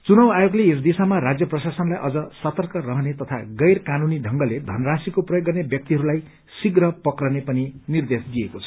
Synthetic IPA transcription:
t͡sunʌwajoɡleesd̪isamaɾad͡zjʌprʌsasʌnlajʔʌd͡zʌsʌt̪ʌrkʌrʌɦʌnet̪ʌt̪ʰa̰ɡʌjrkanuniɖʱʌŋɡʌled̪ʱʌnrasikoprʌjoɡːʌrnebjʌk̚t̪iɦʌɾulaj | siɡrʌpʌkrʌnepʌninird̪esd̪ijekot͡sʰʌ̥

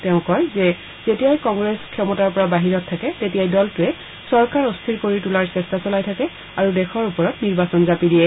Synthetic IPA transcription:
tɛʊ̃kɔjzɛ | zetijajkɔŋɡɹeskʰːɛmɔtaɹpɔɹabaɦiɹɔtʰːakɛtetijajdɔltʊɛ | sɔɹkaɹɔstʰiɹkoɹitulaɹsɛstasɔlajtʰakɛ | aɹudɛxʰɔɹupɔɹɔtniɹbasɔnzapidijɛ

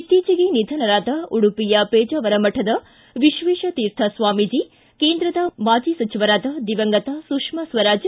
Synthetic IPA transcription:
iʈ̪iːt͡ʃɐɡenid̪ʱɐnɐɾaːd̪ɐuɽupijɐpeːd͡ʒɐʋɐɾɐmɐʈʰɐd̪ɐ | ʋiʃʋeːʃɐt̪iːɾt̪ʰɐsʋaːmid͡ʒi | keːnd̪ɾɐd̪ɐmaːd͡ʒisɐt͡ʃiʋɐɾaːd̪ɐd̪iʋɐŋɡɐt̪ɐsukʂmɐsʋɐɾaːd͡ʒ

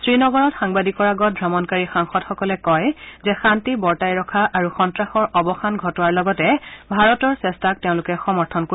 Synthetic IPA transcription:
sɹinɔɡɔɹɔtxaŋbadikɔɹaɡɔt̚bʱɹamɔnkaɹixaŋxɔdxɔkɔlɛkɔjzɛxantibɔɹtajɹɔkʰaʔaɹuxɔntɹaxɔɹʔɔbɔxanɡʱɔtɔaɹlɔɡɔtɛbʱaɹɔtɔɹsɛstak̚teʊ̃lʊkɛxɔmɔɹtʰɔnko

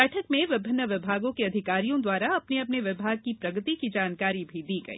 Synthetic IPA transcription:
ɛːʈʰəkmẽʋɪbʱɪnːəʋɪbʱaːɡõkeɐd̪ʱɪkaːɾijõd̪waːɾaɐpneɐpneʋɪbʱaːɡ̚kipɾɐɡət̪ikid͡ʒaːnkaːɾibʱid̪iːɡɐ̰ḭ

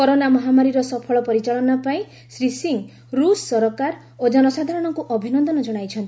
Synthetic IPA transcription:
kɔɾonamɔɦamaɾiɾɔsɔpʰɔɭɔpɔɾit͡ʃaɭɔnɔpaĩ | sɾisiŋ | ɾusːɔɾɔkaɾ | od͡ʒɔnɔsad̪ʱaɾɔɽ̃ɔŋkuʔɔbʱinɔnd̪ɔnɔd͡ʒɔɽ̃ajt͡ʃʰɔnt̪i̥

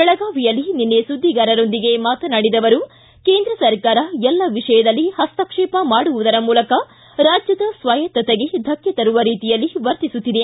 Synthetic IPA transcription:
bɛɭɐɡaːʋijɐlːininːesud̪ʱːiɡaːɾɐɾo̞nd̪iɡe̞maːt̪ɐnaːɽid̪ɐʋɐɾu | keːnd̪ɾɐsɐɾkaːɾɐɛlːɐʋiʂɐjɐd̪ɐlːihɐst̪ɐkʂɛːpɐmaːɽuʋud̪ɐɾɐmuːlɐkɐ | ɾaːd͡ʒjɐd̪ɐsʋaːjɐt̪ːɐt̪eɡe̞d̪ʱɐkjɐt̪ɐɾuʋɐɾiːt̪ijɐlːiʋɐɾt̪isut̪ːid̪e̞

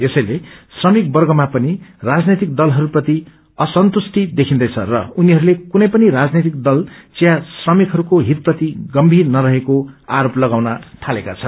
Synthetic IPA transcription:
esʌjlesrʌmik̚bʌrɡʌmapʌnirad͡znet̪ik̚d̪ʌlɦʌɾupʌt̪i | ʌsʌnt̪usʈid̪ekʰind̪ʌjt͡sʰʌrʌ̰uniɦʌɾulekunʌ̃jpʌniɾad͡znet̪ik̚d̪ʌlt͡sijasrʌmikɦʌɾukoɦit̪̚pʌt̪iɡʌmbʱirnʌɾʌɦekoaɾoplʌɡawnʌʈʰalekat͡sʰʌn

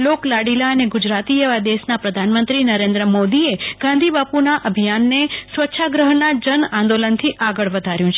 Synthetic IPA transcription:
loklaɽilaəneɡud͡ʒɾat̪ieʋad̪esnapɾəd̪ʱanmənt̪ɾinəɾẽnd̪ɾəmod̪ieɡ̥ãnd̪ʱibapunaʔəbʱijanːesʋətːʃʰaɡɾəɦnad͡ʒənãnd̪olənt̪ʰiʔaɡəɭʋəd̪ʱaɾjũt͡ʃʰe

